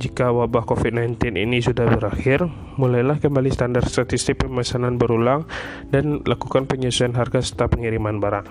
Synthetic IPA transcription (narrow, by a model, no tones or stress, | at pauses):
d͡ʒikawabahkofit̪̚najnt̪ɪnḭnisudahbəɾaxɪr | mulajlahkəmbalist̪andarst̪at̪ist̪ɪk̚pəmasananbəɾulaŋ | danlakukanpəɲasuanɦarɡasə̥t̪apəŋiɾimanbaɾaʔ